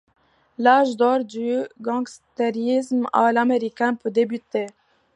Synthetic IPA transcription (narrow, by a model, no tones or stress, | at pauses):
lɑːʒd̪oːɾd̪yːɡɑ̃ŋɡst̪ɛɾizmɑ̰ːlɑmeɾikɛnpʰəd̪ebyt̪ːe